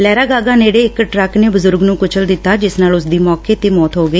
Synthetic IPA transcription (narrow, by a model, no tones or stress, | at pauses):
lɛːɾaːɡaːɡaːneːɽeːɪkʈɾəkneːbʊzʊɾɡnũːkʊt͡ʃʰəld̪ɪt̪ːaːd͡ʒɪsnaːlʊsd̪iːmɔːkeːt̪eːmɔːt̪ɦoːɡəiː